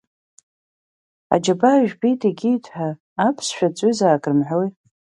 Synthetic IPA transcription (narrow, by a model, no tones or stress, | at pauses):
a̰d͡ʒabaʒᶣbitʰʼiɡʲijtʰʼħaː | pʰsʃᶣat͡sʷʼyzaːɡʼrɨmħʷoj